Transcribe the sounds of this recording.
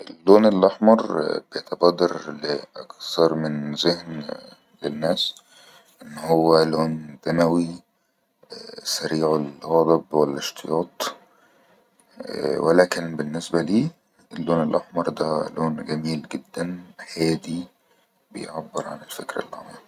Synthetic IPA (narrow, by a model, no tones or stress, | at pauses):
ʔelːoːnelʔɑħmɑɾˤbejet̪ɑbɑːd̪ɑɾleʔɑkθɑɾˤmɪnzehn | lenːæːs | ʔenːhowːæloːnd̪æmæwi | sæɾiːʕolɣɑlˤɑbwælːeʃt̪ʰejɑːt̪ˤ | welæːkenbenːesbæliː | ʔelːoːnelʔɑħmɑɾˤd̪æloːnɡæmiːlɡed̪ːænħæːd̪i | bḛjʕabːeɾʕa̰nelfekɾæ̰lʔɑ̰ħmɑɾˤ